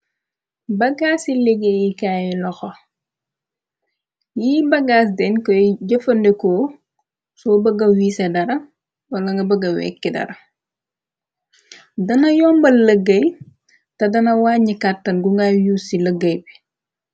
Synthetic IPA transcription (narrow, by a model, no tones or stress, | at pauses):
bɐɡaːsileɡejikaːjilɔxɔ | jiːbɐɡaːs̬dɛnkɔɟɐfɐndɛkɔː | sɔːbɐɡɐwiːsɐdɐɾɐ | wɐlɐŋɡɐbɐɡɐwɛ̰kːidɐ̰ɾɐ | dɐnɐjɔːmbɐlɐɡɐj | tɐdɐnɐwaːɲikatːɐnɡuŋɡajuːsilɐɡɐjbi